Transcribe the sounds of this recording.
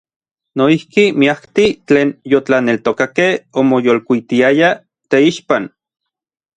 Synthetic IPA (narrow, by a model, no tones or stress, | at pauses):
noihkimiakt̪it͡ɬeːnjot͡ɬanelt̪okakehomojolkʷit̪iaja | t̪eiʃpan